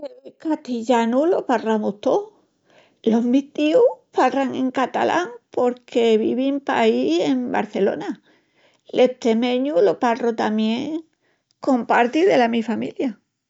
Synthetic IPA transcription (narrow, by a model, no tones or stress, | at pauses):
eekat̪iʎanulo̞paramuht̪o | lo̞ɦmiht̪iuparaŋe̞̰ŋkat̪a̰lʔa̰ŋpo̞ɾkʰe̞βḭβimpa̰ihemba̰ɾθe̞lo̞̰na | lʔeht̪ɾemẽ̞ɲuloparot̪amje̞ŋ | ko̞mpaɾt̪iðe̞lamifamilja